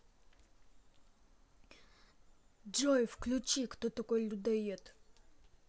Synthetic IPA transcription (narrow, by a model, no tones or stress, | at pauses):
d͡ʒɔjfklʲut͡ʃikt̪ɔt̪ɐkɔjlʲud̪ɛjɛt̪